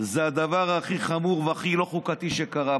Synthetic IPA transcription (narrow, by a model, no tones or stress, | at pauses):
zead̪avaʁaχiχamuʁveaχilo̞χukat̪iʃekaʁa